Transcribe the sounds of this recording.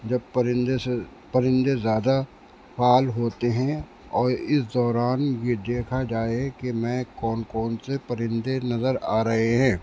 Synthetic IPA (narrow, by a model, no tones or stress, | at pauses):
d͡ʒɐb̚pɾɪnd̪se | pɐɾɪ̃nd̪ezjaːd̪a | faːlɦoːt̪eɦɛ̃ | ɔːɾɪsd̪ɔːɾaːnjed̪eːkʰad͡ʒaːekemɛ̃ːkɔːnkɔːnsepɐɾɪ̃nd̪enɐzəɾaːɾɐɦeɦɛ̃ː